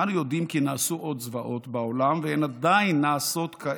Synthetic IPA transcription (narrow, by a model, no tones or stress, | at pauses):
anujo̞d̪imkinaːsuʔo̞d̪zvaʔo̞t̪baolamveenad̪ainːaːso̞t̪kʰa